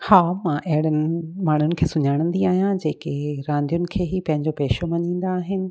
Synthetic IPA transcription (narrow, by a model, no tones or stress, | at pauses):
haːmãʔɐɦɪɽənɪmaːɳ̤ʊnɪ̆kʰeːsʊɲaːɽ̃ə̃n̆d̪iaːɦijãd͡ʑeːkeɾãːnd̪ijʊnɪ̆kʰeːɦipɐ̃ɦɪ̃ɲd͡ʑopeːʃomɐɲĩːn̆d̪aːɦɪnɪ̆